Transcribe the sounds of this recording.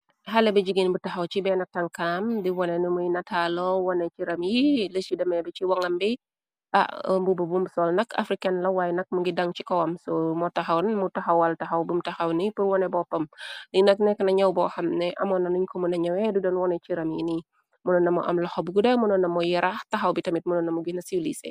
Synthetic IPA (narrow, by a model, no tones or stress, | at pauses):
ɦɐlɛbɐd͡ʒiɡinbutɐxɐwt͡ʃibɛnɐk̚tɐŋkamdiwɔnɛnimujnɐtʰalɔwɔnɛt͡ʃiɾɐmjiləsidɐmɛbɛt͡ʃiwɐŋɐmbi | ʔa̰mbububumbsɔlnɐkɐ̰fɾikɐnlɐwajnɐk̚muŋɡidɐŋt͡ʃikɔwɐmsɔmɔtɐxɐwnmutɐxɐwɐltɐxɐwbumtɐxɐwnipuɾwɔnɛbɔpːɐmlinɐk̚nɛkːənɐɲɐwbɔxɐmnɛʔɐ̰mɔnɐnuɲkɔmunɐɲɐwɛdudɔnwɔnɛt͡ʃiɾɐmjini | munɔnːɐmɔʔɐ̰mlɔxɔbuɡudɐmunɔnːɐmɔjiɾʔaxtɐxɐwbitɐmit̚munɔnːɐmuɡinɐsilisɛ̰